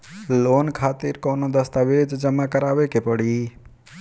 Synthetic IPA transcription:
loːnkʰaːt̪iɾkoːnod̪əst̪aʋeːd͡ʒd͡ʒəmakəɾaːʋekepəɽiː

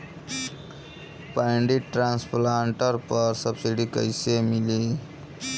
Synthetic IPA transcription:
pəjɳɖiʈɾãnsplaɳʈəɾpəɾsəbsiɖikəjsemili

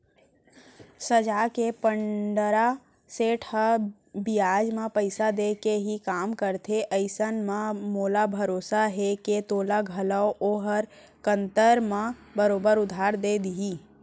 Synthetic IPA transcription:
səd͡ʒaːkepəɳɖəɾa | seːʈʰhə | bɪjaːd͡ʒmãpəɪsad̪eːkeɦikaːmkəɾt̪ʰeʔəɪsənmãmoːlabʱəɾoːsaɦeket̪oːlaɡʱəlaoʔoːɦəɾ | kə̃nt̪əɾmãbəɾoːbəɾʊd̪ʱaːɾd̪eːd̪iɦiː

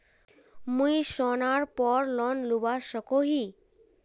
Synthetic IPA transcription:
mũiʃɔnaɾpɔɾlɔnlubaʃəkoɦi

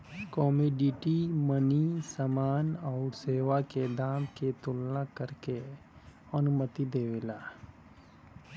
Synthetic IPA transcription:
kɔːmeːɖiʈimənisamaːnɔːʊɾseːʋaked̪aːmket̪ʊlnakəɾke | ənʊmət̪id̪eːʋelaː

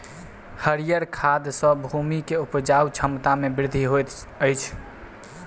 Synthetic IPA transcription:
həɾijəɾkʰad̪sə̃bʱumikeupd͡ʒawt͡ʃʰəmt̪amebɪɾd̪ʱiɦot̪ | əjt͡ʃʰ

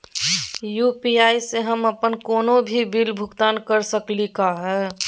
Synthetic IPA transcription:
juːpiaːiseɦəməpənkoːnobʱibilbʱʊɡt̪aːnkəɾsəklikaɦɛː

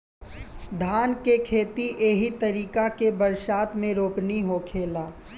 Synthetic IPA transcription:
d̪ʱaːnkekʰeːt̪iʔeːɦit̪əɾiːkakebəɾʃaːt̪mẽɾoːpniɦokʰeːlaː

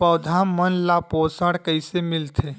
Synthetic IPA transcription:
əːd̪ʱaːmːənlapoːsaɽkəɪsemɪlt̪ʰeː

